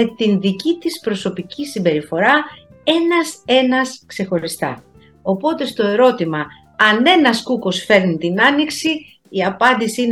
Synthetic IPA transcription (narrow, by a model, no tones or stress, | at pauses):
et̪inðicit̪ispɾo̞so̞picisimbe̞ɾifo̞ɾɐ | e̞nɐse̞nɐskse̞xo̞ɾist̪ɐ̰ | o̞po̞t̪e̞st̪o̞e̞ɾo̞t̪imɐ | ɐne̞nɐskuko̞sfe̞ɾnit̪inɐniksi | iɐpɐnd̪isiin